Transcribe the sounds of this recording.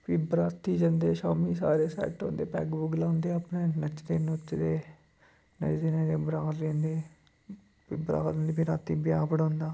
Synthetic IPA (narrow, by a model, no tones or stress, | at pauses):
piːbɾaːt̪ːiːd͡ʒənd̪eːʃaːmiːsaːɾeːsɛ̰ːʈõ̰ːnd̪eːpɛ̰ːkbʊɡlãːʊnd̪eːəpneːnət͡ʃd̪eːnʊt͡ʃd̪eː | nə̰t͡ʃd̪eːnẽːd̪eːbəɾaːllẽːnd̪eː | piːbəɾã̰ːnd̪iːbiɾaːt̪iːbɪjaːpəɽõːnd̪aː